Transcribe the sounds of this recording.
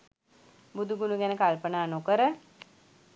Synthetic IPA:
bud̪uɡunuɡænəkalpənaːnokəɾə

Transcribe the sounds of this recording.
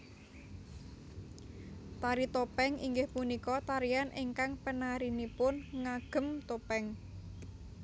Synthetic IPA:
t̪aɾit̪opɛŋiŋɡɪhpunikɔt̪aɾianʔiŋkaŋpənaɾinipʊnŋaɡ̥ə̤mt̪opɛŋ

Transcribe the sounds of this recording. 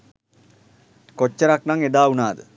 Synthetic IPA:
kot͡ʃːəɾaknaŋed̪aːunaːd̪ə

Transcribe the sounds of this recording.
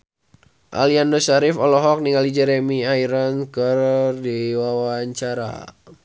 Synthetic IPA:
ʔa̰liandosaɾifɔlɔɦɔk̚niŋalid͡ʒɛɾemiaiɾənkərdiwawaɲt͡ʃaɾa̰

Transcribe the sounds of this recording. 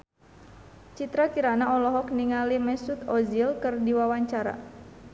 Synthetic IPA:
t͡ʃit̪ɾakiɾanaɔlɔɦɔk̚niŋalimɛsut̪ɔzilkɨrdiwawaɲt͡ʃaɾa̰

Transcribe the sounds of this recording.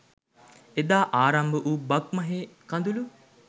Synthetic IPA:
ed̪aːʔaːɾɐmbəʔubɐk̚mɐɦeːkand̪ulu

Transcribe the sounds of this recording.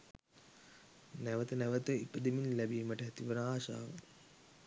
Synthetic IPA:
næʋət̪ənæʋət̪əipəd̪iminlæbiːməʈəɦɛt̪iʋənaːʃa̰ːʋə̰

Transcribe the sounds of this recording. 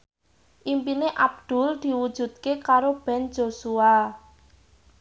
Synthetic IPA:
ʔimpineʔab̚d̪̥ʊ̤ld̪̥i̤wud̥ʒ̥ṳd̪̥̚kekaɾob̥ɛ̤n̥d͡ʒosua

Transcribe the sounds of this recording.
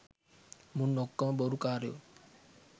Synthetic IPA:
munːokːãboɾukaːɾjo̰ː

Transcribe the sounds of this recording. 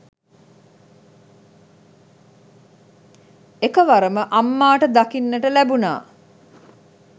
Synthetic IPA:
ekəʋaɾəməʔamːaːʈəd̪akinːəʈəlæbuna̰ː

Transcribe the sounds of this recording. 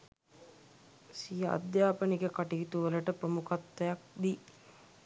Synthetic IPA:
sijəʔa̰d̪jaːpənikəkaʈiɦt̪uʋələʈəpɾəmukat̪ːɐjak̚d̪i

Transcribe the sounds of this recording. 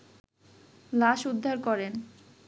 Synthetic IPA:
laʃud̪ʱːaɾkɔɾen

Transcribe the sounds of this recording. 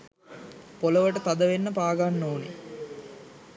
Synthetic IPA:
poləʋəʈət̪ad̪əʋenːəpaːɡanːoːne

